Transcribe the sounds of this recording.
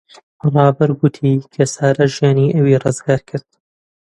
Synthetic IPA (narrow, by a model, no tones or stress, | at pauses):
rˤɑːbɐɾɡʊt̪ʰiːkʰɐsaːɾɐʒjaːniːʔɐwiːrɨzɡaːɾkʰɨɾd̪̥